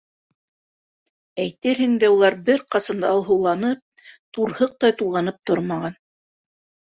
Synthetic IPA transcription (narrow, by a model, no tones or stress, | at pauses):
æjt̪ɘɾhɘ̆ŋd̪æulˠɑɾbɘɾqɑsɤnd̪ɑɑlˠɦɤ̆wlˠɑnɤp̚ | t̪uɾhɤq̚t̪ɑjt̪ulˠʁɑnɤp̚t̪oɾmɑʁɑn